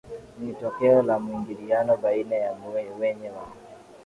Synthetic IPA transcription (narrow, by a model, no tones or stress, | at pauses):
nitɔkɛɔlamuiŋɡilianɔɓainajamuɛwɛɲɛwa